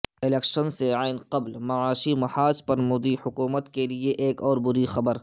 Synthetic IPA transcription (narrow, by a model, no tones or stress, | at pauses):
ɪlɛːkʃənseaːɪnqɐblmɐʕaːʃimɐħaːspɐɾmʊːd̪ihʊkuːmət̪kelieʔeːkɔːɾbʊɾixɐbəɾ